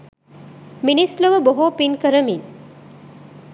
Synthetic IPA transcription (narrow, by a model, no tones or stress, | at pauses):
minisləʋəboɦopinkəɾəmin